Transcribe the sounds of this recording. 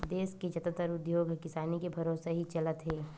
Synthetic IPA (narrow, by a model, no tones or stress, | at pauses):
d̪eːsked͡ʒɐt̪ət̪əɾʊd̪joːɡʱkɪsaːnikebʱɐɾoːsaɦit͡ʃɐlət̪ɦeː